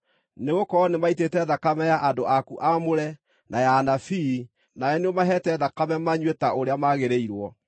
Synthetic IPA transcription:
neɣokɔnemaitetɛðakamɛjaʔadoʔakuʔamoɾɛ | najanafi | najɛneɔmaɦɛtɛðakamɛmaɲwetaoɾeamaɣeɾeiɾwɔ

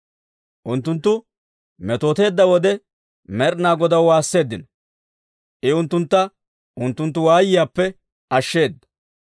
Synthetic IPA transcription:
ʔʊnt̪ːʊnt̪ːʊ | mɛt̪oːt̪e̞ːd̪ːɐwɔd̪ɛ | mɛɾnaːɡɔd̪ɐwwaːsːe̞ːd̪ːɪnɔ | ʔɪʊnt̪ːʊnt̪ːɐ | ʔʊnt̪ːʊnt̪ːʊwaːjɪjaːpːɛ | ɐʃːe̞ːd̪ːɐ̥

